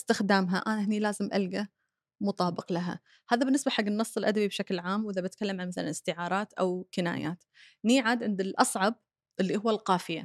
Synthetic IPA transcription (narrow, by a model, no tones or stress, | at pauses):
st̪ɪxd̪aːmɦaʔaːnaɦɪnilaːzɪmʔa̰lɡa | mʊt̪ˤɑːbɪqlaɦa̰ | haːðabɪnːɪsbaħaɡːɪnːɨsˤːɨlʔad̪abibʃaklʕaːmwʔɪðabat̪̚kalːamʕanmaθa̰lanɪst̪ɪʕɑːɾˤɑːt̪ʔawkɪna̰ːja̰ːt̪ | niːʕaːd̪ʕɪnd̪ɪlʔɑsˤʕɑb̚ | ʔɪlːihʊwːalqɑːfɪja̰